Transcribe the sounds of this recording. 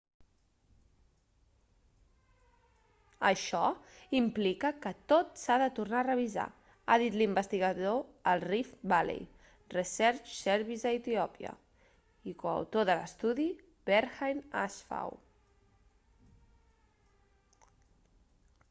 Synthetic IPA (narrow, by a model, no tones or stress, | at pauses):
əʃɔimplikəkət̪ot̪saðət̪urnarəβ̞iza̰ | aðit̪limbəst̪iɣəðoəlˠrifbalḛj | rəsɛɾt͡ʃsɛɾβizðəit̪iɔpiə̰ | ikoə̰wt̪oðələst̪uði | bɛɾxajna̰sfa̰w